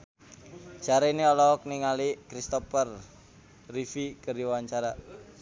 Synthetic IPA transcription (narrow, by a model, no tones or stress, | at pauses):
d͡ʒ̥aɾeniɔlɔkniŋalikɾist̪ɔpər | rifikərdiwaɲt͡ʃaɾa